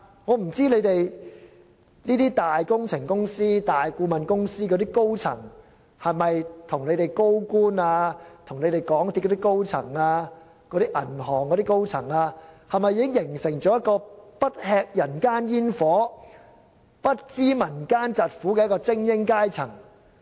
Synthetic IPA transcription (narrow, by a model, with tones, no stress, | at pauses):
ŋɔː˨˧m̩˨˩t͡siː˥le˨˧jt̪e˨j | niː˥t̪iː˥t̪aː˨jkʊ˥ŋt͡sʰɪ˨˩ŋkʊ˥ŋsiː˥t̪aː˨jkuː˨˧mɐ˨nkʊ˥ŋsiː˥kɔ˨˧t̪iː˥ko˥wt͡sʰɐ̰˨˩ŋ | hɐ˨jmɐ˨jt̪ʰʊ˨˩ŋle˨˧jt̪e˨jko˥wkuː˥naː˧t̪ʰʊ˨˩ŋle˨˧t̪e˨˩jkɔː˨˥ŋt̪ʰi˥kːɔ˧˥i˥ko˥wt͡sʰɐ̰˨˩ŋaː˧ | kɔ˨˥ɾiː˥ʔɐ̰˨˩nɦɔː˨˩ŋkɔ˨˧ɾi˥ko˥wt͡sʰɐ˨˩ŋaː˧hɐ˨jmɐ˨jːiː˨˧kɪ˥ŋjɪ˨˩ŋsɪ˨˩ŋt͡ʃɔː˨˥jɐ˥t̚kɔː˧pɐ˥t̚hɛː˧k̚jɐ˨˩nkaː˥njiː˥nfɔː˨˥ | pɐ˥t̚t͡siː˥mɐ˨˩nkaː˥nt͡sɐ˨t̚fuː˨˥kɛ˧jɐ˥kɔː˧t͡sɪ˥ŋjɪ˥ŋkaː˥jt͡sʰɐ˨˩ŋ